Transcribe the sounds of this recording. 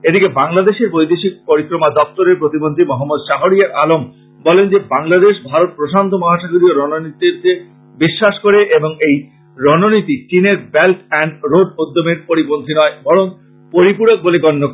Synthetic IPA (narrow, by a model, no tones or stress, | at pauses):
ed̪ikebaŋlad̪eʃeɾbojd̪eʃik̚poɾikɾomad̪ɔp̚t̪oɾeɾpɾot̪ibont̪ɾimɔɦamːod̪ʃaɦoɾiaɾalom | bɔlend͡ʑebaŋlad̪eʃbʱaɾot̪̚pɾoʃant̪ʰomɔɦaʃaɡoɾioɾɔnonit̪eɾt͡ɕe | biʃːaʃkoɾeʔeboŋej | ɾɔnonit̪it͡ɕineɾbɛlʈɛɳɖɾoɖ̚od̪ːomeɾpoɾibond̪ʱinɔebɔɾon | poɾipuɽok̚boleɡɔnːok